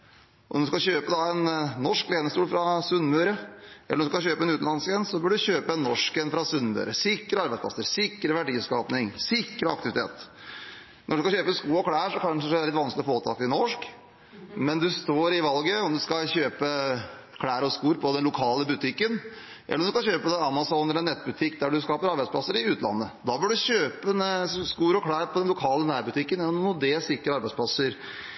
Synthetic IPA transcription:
ʔɔmd̪ʉskɑɕøːpəd̪ɑɛnːɔʂkleːnəst̪uːlfɾɑsʉnːmʉːɾəʔɛlːɔmd̪skɑçøːpəɛnʉːt̪̩lɑnsɡɾɛnssɔbʏɖʉçøːpəɛnːɔʂkɛnfɾɑsʉnmʉ̰ːɾəsɪkːəɾəɑɾbæɪtspʰlɑ̰səɾsɪkːɾəʋæɖiːskɑːpnɪŋsɪkːɾəɑ̰k̚t̪ɪʋɪt̪ʰḛːt̪ | nɔɖʉskɑçøːpəskuːɔkʰɽæːʂɔkɑnʂəæɾlɪt̪ʋɑnsklɪɔfoːt̪ʰɑ̰ːkɪnɔʂk | mɛnd̪ʉst̪oːɾɪʋɑlɡəɔmd̪ʉskɑɕøːpə | kʰɽæːɾɔskuːɾpʰɔd̪ɛnlʊkʰɑːləbʉt̪ʰɪkːən | ʔɛ̰lːɔmd̪ʉskɑçøːpəd̪ɛɑmɑsɔːnɾɛnɛt̪ːbʉt̪ʰɪkːd̪æɖʉskɑːpəɾɑɾbæɪspʰlɑsːəɾɪʉːt̪lɑ̰nːəd̪ɑbɪlɖʉɕøːpəskuːɾɔkʰɽæːɾpʰɔd̪ɛnlʊkʰɑːlənæːɾbʉt̪ʰɪkːənɛnuːd̪ɛːsɪkːəɾəɑɾbæɪspʰlɑsəɾ

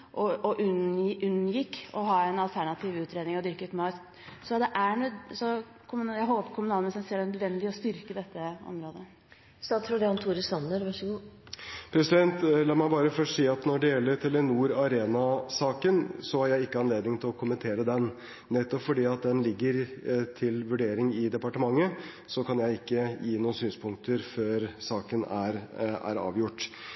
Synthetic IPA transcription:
ʔɔɔʔʉnʉnːjɪkːɔɦɑːɛnɑlt̪ʰæɳɑt̪ʰiːʋʉːt̪ɾeːd̪nɪŋɔd̪ʏɾkʉt̪mɑːt̪ | sɔd̪ɛʔænsɔ | kʰʊmjæɪɦoːpəkʰʊmʉnɑːlmənsɛnseːɖɛnœd̪ʋɛnd̪ɪɔst̪ʏɾkəd̪ɛt̪ːəɔ̰mɾoːd̪ə | st̪ɑːsɾɔd̪ɛɑnt̪ʰuːɾəsɑnːəɾʋɑʂəɡuːpʰɾɛsɪd̪ɛnt̪lɑːmæɪbɑːɾəfœʈsiːɑt̪nɔɖɛjɛlːəɾt̪ʰɛlːənuːɾɑɾeːnɑsɑːkənsɔæɾjæɪɪkːəɑnleːd̪nɪŋt̪ʰɪlɔkʰʊmənt̪ʰeːɾəd̪ɛnː | ɛt̪ːɔpfɔɖiːɑt̪̚d̪ɛnlɪɡːəɾt̪ʰɪlʋʉɖeːɾɪŋɪd̪ɛpɑʈəmɑŋːə | sɔkʰɑnjæɪɪkːəjiːnuːnsyːnspʰʊŋk̚t̪əɾføːɾsɑːkənæɾæ̰ɾɑ̰ːʋjʊʈː

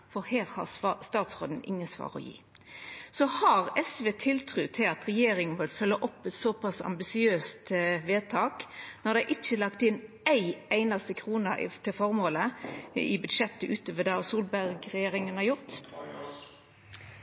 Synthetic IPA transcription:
fɔheːɾhɑ̰st̪ɑːt̪sʁoːd̪n̩ɪ̰ŋːənsʋɑ̰ːʁɔ̰jḭː | sɔhɑʁɛsʋeːt̪ʰɪlt̪ʰɾʉːt̪ʰɪlɑt̪ʁɛjeːɾɪŋənʋɪlfœlːəʔɔpːɛt̪sɔpɑsɑ̰mbɪsɪøːst̪ʋeːt̪ʰɑːknɔʁd̪æɪʔɪt͡ʃːəlɑkt̪ɪn | æɪæɪnɑst̪əkʰʁuːnɑʔɪ̰t̪ʰɪlfɔɾmoːləɪ̰bʉd̪ʂɛt̪ːəʔʉːt̪əʋəd̪ɑsuːlbæʁɡʁɛjeːɾɪŋənhɑɾjʊʁt̪

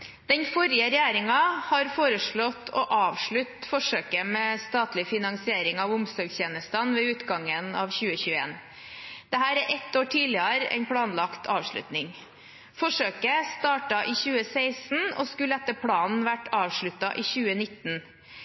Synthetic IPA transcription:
d̪̥ɛnfɔɾɪəɾɛjæːɾɪŋɑhɑɾfoːɾəʂɭɔt̪ːʰɔ̰ʔɑːʋʂɭʉt̪fɔʂøːkəmɛːst̪ɑːt̪lɪfɪnɑŋsɪeːɾɪŋɑʋʊmsɔːɡçeːnəst̪ɑnʋɛʉːt̪ɡɑŋənɑʋçʉːəçʉːəḛːn | d̪̥ɛɦæːɾæɾʔɛt̪ːoːʈʰiːlɪɑɾɛ̰ɪnpʰɽɑːnlɑkt̪ʰɑːʋʂɭʉ̰t̪nɪŋ | fɔʂøːkəst̪ɑːʈɑʔiːçʉːəsæɪsn̩ɔ̰skʉləɛt̪ːəɾpʰɽɑːnn̩ʋæʈɑːʋʂɭʉt̪ːɑʔiːçʉːənɪt̪ːn̩

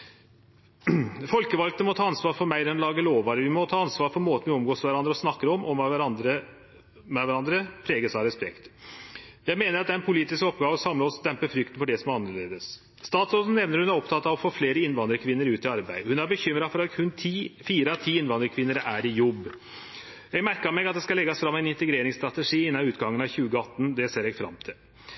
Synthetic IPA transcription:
fɔlkəʋɑlkt̪əmɔt̪ʰɑːɑnsʋɑːɾfɔɾmæɪd̪ɛnɔlɑːɡəloːʋɑɾəʋɪmɔt̪ʰɑːɑnsʋɑːɾpɔɾmoːt̪nʋɪɔmɡoːsʋæɾɑnd̪ɾəɔsnɑkːəɾɔmʔɔmɑʋæɾɑnd̪ɾə | mɛʋæɾɑnd̪ɾəpʰɾeːɡəsɑɾɛspɛkt̪ | jæɪmeːnəɾɑt̪d̪æɾɛnpʰʊliːt̪ɪskɔpːɡɑːʋɔsɑmlɑɔsd̪ɛmpəfɾʏk̚t̪ənfɔɖɛsɔmɑnːəɭeːd̪əs | st̪ɑːt̪soːsn̩nɛʋnəɾhʉnæɾɔpt̪ʰɑt̪ːɑʋɔfoːfleːɾəɪnːʋɑnd̪ɾəkʰʋɪnːəɾʉːt̪ɪɑɾbæɪəhʉnæɾbəçʏmːɾɑfɔɾɑkʰʉnːʰfiːɾəɑt̪ʰiːɪnʋɑnd̪ɾəkʰʋɪnːəɾæɾɪjɔbː | jɛɡmæɾkəɑmɛɡɑt̪d̪ɛskɑlɛɡːɑsfɾɑmːæɪnɪnt̪ɛɡɾeːɾɪŋst̪ɾɑt̪ɛʂiːɪnːɑʉːt̪ɡɑŋːənɑʋçʉːɡəɑt̪ːn̩d̪ɛseːɾɛɡfɾɑ̰mt̪ʰɪl

